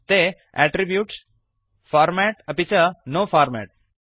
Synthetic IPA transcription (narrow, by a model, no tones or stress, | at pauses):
t̪e | ɛʈɾibjuːʈs | faːɾmɛʈəpit͡ʃɐnoːfaːɾmɛ̰ʈ̚